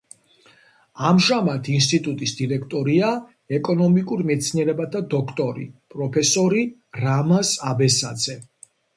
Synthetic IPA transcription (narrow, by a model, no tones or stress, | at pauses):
amʒamat̪ʰinst̪ʼit̪ʼut̪ʼisd̪iɾɛkʰt̪ʼɔɾia | ɛkʼɔnɔmikʼuɾmɛt̪sʰniɛɾɛbat̪ʰad̪ɔkʰt̪ʼɔɾḭpʼɾɔpʰɛsɔɾi | ɾamasabɛsad̪z̥ɛ